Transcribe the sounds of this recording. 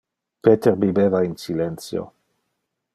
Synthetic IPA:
pet̪eɾbibevainsilent͡sjo̰

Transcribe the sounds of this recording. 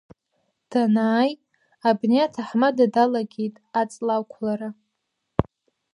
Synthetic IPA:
d̥anaːj | abneetʰaħmadadalaɡʲejtʼat͡sʼlawkʷʰlaɾa

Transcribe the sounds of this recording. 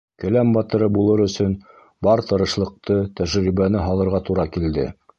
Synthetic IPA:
kɵ̆læmbɑt̪ɤ̆ɾɤbulˠɤɾɵ̆sɵn | bɑɾt̪ɤ̆ɾɤ̆ʃlˠɤ̆q̚t̪ɤt̪æʒɾiβænɘɦɑlˠɤ̆ɾʁɑt̪uɾɑkild̪ɘ̰

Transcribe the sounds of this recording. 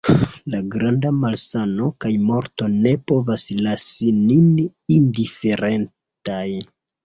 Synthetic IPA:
laɡɾandamalsano̞kajmo̞ɾtone̞po̞vaslasininindife̞ɾe̞n | taj

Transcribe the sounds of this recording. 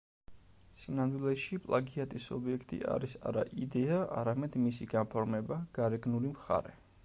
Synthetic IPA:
sinand̪wilɛʃipʼlˠaɡiat̪ʼisɔ̰biɛkʰt̪ʼḭʔa̰ɾisa̰ɾaʔid̪ɛaa̰ɾamɛd̪misiɡanpʰɔɾmɛbaɡ̥aɾɛɡnulimχa̰ɾɛ

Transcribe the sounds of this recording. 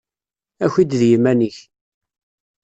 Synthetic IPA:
æçid̪ðjəmæniç

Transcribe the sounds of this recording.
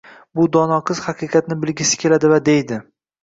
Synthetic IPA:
bʊd̪ɒnɒqʰɨz̥hɑqʰɨqʰɑt̪̚nɪbɪlɡʲɪsɪ̥kʲʰe̞lad̪ɪvad̪ejd̪ɪ

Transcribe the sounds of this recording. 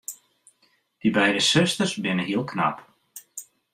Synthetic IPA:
d̥ibɛjdəsøstərsbɪnəɦiəlˠkna̰p

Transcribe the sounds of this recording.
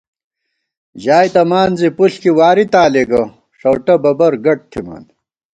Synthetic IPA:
ʑaːjt̪ɐmaːnzipuɬkiwaːɾit̪aːleɡɐ | ʂɐwʈɐbɐbɐɾɡɐʈ̚t̪ʰima̰ːn

